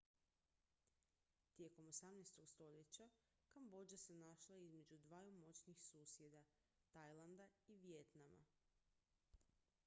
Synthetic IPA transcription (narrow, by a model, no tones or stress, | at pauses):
t̪je̞ko̞mo̞samnejst̪o̞ɡst̪o̞ʎe̞t͡ɕa | kambo̞d͡ʒasenaʃlˠaizme̞d͡ʑud̪ʋaːjumo̞t͡ɕnixsuːsje̞d̪a | t̪ajlˠand̪aiʋje̞t̪nama̰